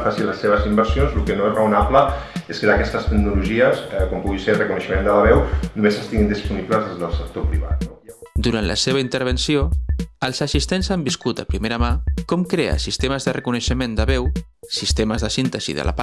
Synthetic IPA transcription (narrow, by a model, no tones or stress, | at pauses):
fasiləsːeβəzimbəɾsjonzlukənoezrəunapləeskədəkɛst̪əst̪əknuluʒiəsɛkompuɣiserəkunəʃəmẽnd̪ələβɛwnumesəst̪iɣind̪ispunipləzðezðəlˠsək̚t̪opɾiβa̰t̪̚d̪uɾant̪lʔə̰seβəint̪əɾβ̞ənsioəlˠzəsist̪enzambiskut̪əpɾimeɾəmakɔmkɾeə̰sist̪eməzðərəkunəʃəmend̪əβɛwsist̪eməzðəsint̪əzḭðə̰lʔa̰pa